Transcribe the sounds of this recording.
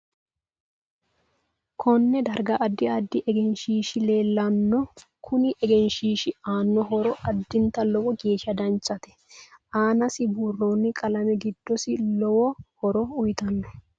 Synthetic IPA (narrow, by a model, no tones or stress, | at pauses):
kʰɔnːɛd̪ɐɾɡɐʔːd̪ːɪɐd̪ːɪʔɛɡɛnʃiːʃɪle̞ːlːɐnːɔkʰʊnɪʔɛɡɛnʃiːʃɪaːnːɔɦɔɾɔʔɐd̪ːɪnt̪ɐlɔwɔɡeːʃɐd̪ɐnt͡ʃʼːɐt̪ɛ̥ | ʔaːnɐsɪbʊrːonːɪkʼɐlɐmɛɡɪd̪̥ːɔsɪlɔwɔhɔɾɔʊjɪt̪ɐnːɔ